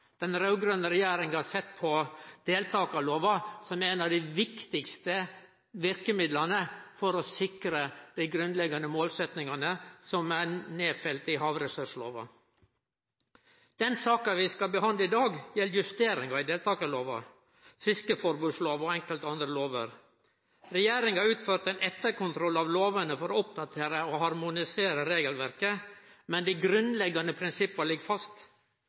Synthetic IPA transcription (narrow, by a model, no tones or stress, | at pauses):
d̪̥ɛnɾɑʉɡɾœnəɾɛjæːɾɪŋənɑsɛt̪ːpʰɔd̪̥eːlt̪ʰɑːkɑloːʋɑsɔmæɾɛːnɑd̪ɪʋɪkt̪ɪkst̪ə | ʋɪɾkəmɪd̪lɑnəfɔɾɔsɪkɾəd̪̥æɪɡɾʉnlɛɡɑnəmoːlsɛt̪nɪŋɑnəsɔmæneːfɛlt̪ɪɦɑːʋɾɛsœʂlo̰ːʋɑ̰ | d̪̥ɛnsɑːkɑʋɪskɑbəɦɑnd̪ləɪd̪ɑːɡjɛlːjʉst̪eːɾɪŋɑɪd̪eːlt̪ʰɑːkəloːʋɑ̰ | fɪskəfɔɾbʉːsloːʋɔɛŋkəlt̪ɑnd̪ɾəloːʋə̰ɾ | ɾɛjeːɾɪŋɑɾʉːt̪føːɾʈ̪ɛɪnɛt̪ːəɾkʊnt̪ʰɾɔlːɑʋloːʋənəfɔɾɔʊp̚d̪ɑt̪ʰeːɾəɔhɑɾmʊnɪseːɾəɾeːɡəlʋæɾkəmɛnd̪iɡɾʉnlɛɡɑnəpʰɾɪnsɪpːɑɭɪɡfɑst̪